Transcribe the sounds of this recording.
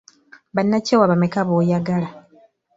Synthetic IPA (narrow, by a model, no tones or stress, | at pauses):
βanːacewaβamekaβoːjaɡala